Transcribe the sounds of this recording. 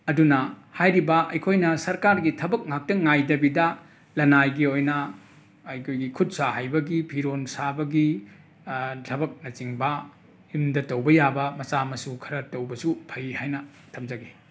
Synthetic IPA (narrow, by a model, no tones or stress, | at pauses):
ɐdunɐhajɾibɐʔɐjkʰojnɐsɐɾkaɾɡitʰɐbɐk̚ŋak̚tɐŋajdɐbidɐ | lɐnajɡiojnɐ | ɐjkʰojɡikʰut̚saɦajbɐɡipʰiɾonsabɐɡi | tʰɐbɐk̚nɐt͡ʃiŋbɐ | jumdɐtɐwbɐjabɐmɐsamɐsukʰɐɾɐtowbɐsupʰɐjihajnɐ | tʰɐmd͡ʒɐɡi